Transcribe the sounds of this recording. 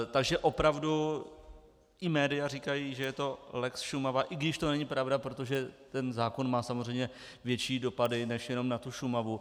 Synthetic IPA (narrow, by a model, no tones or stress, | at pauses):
t̪aɡʒɛʔo̞pɾavdu | ʔɪmɛːdɪjariːkajiːʒɛjɛt̪o̞lɛksʃumavaːʔɪɡdɪʃt̪o̞nɛɲipɾavdapɾo̞t̪oʒɛt̪ɛnzaːko̞nmaːsamor̝ɛjmɲɛ | vjɛt͡ʃiːdo̞padɪnɛʃjɛno̞mnat̪uʃumavu